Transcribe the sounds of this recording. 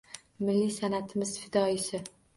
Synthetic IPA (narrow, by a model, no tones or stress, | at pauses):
mɪlːisanat̪ʰɪmɪz̥fɪd̪ɒɪsɪ